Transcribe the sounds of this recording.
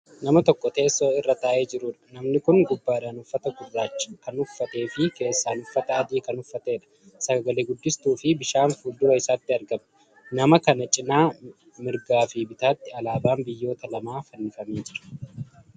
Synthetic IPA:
nɐmɐt̪ɔkːɔt̪e̞ːsːo̞ːɪrːɐt̪aːʔe̞ːd͡ʒɪɾuːᶑɐ̥nɐmnɪkʊŋɡʊbːaːd̪anʊfːɐt̪ɐɡʊrːaːt͡ʃːɐ̥kɐnʊfːɐt̪e̞ːfɪke̞ːsːaːnʊfːɐt̪ɐːd̪iːkɐnʊfːɐt̪eːᶑɐ̥ | sɐɡɐleːɡʊd̪ːɪst̪uːfɪbɪʃaːnfuːld̪ʊwɐɪsaːt̪ːɪɐɾɡɐm | nɐmɐkɐnɐt͡ʃʼɪnaː | mɪɾɡaːfibɪt̪aːt̪ːɪɐlaːbaːnbɪjːo̞ːt̪ɐlɐmaːfɐnːɪfɐmeːd͡ʒɪɾɐ̥

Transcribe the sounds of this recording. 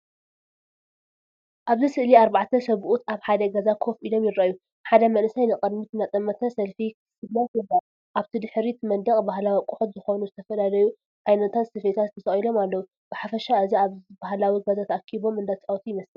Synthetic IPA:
ʔaβzɨsɨʔliaɾbaʕt̪ʰɐsɐβʔut̪ʰaβħad̪ɐɡɐzakʰo̞fʔilo̞mjɪɾːaju | ħad̪ɐmɐnɨsajnɨkʼɐd̪mɨt̪nat̪ʼɐmːɐt̪ʰɐsɐlfiksɨlːɐt̪jɨba | ʔaβt̪ʰid̪ɨħɾit̪ʰmɐnd̪ɐkʼbahlawikʼʊħot̪zɨxonuzɨt̪ʰɐfɐlalɐju | ʔajnɐt̪ʰat̪sɨfet̪ʰat̪t̪ʰːɐsɐχʼjilo̞malːɐwu | b̥ɨħafɐʃaɨziabahlawiɡɐzat̪ʰakʰiβo̞mɨnd̪at̪t͡sʼawt̪ʰijɪmɐslɨ

